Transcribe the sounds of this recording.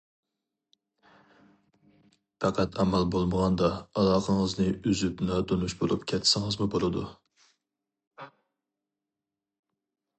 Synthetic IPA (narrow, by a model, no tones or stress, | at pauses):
pɑqʰɑt̪ʰæmælbolˠməʁɑnd̪ɑɑlˠɑːqʰəŋəznɪyzypnɑd̪onuʃbolˠṵpkʲʰɛt̪ʰːsɪŋɨzmʊbolˠɨd̪ṵ